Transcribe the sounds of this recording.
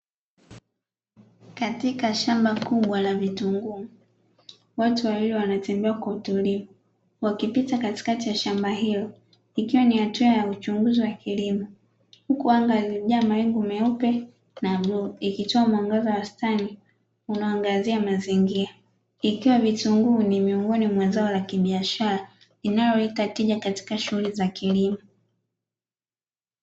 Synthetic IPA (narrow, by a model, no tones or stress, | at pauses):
katikaʃambakuɓwalavituŋɡumu | watuwawilɛwanatɛmbɛakwautulivu | wakipitakati̥katijaʃambaɦilɔ | ikiwanihatuajaut͡ʃuŋɡuziwakʰilimɔ | hukuaŋɡaziʄaːmaɛŋɡumɛupɛ | naɓuikitɔamaŋɡazawastani | unaaŋɡaziamaziŋɡiɾa | ikiwavituŋɡunimiɔŋɡɔnimwazaɔlakiɓiaʃaɾa | linalɔitatiʄakati̥kaʃuhulizakilimɔ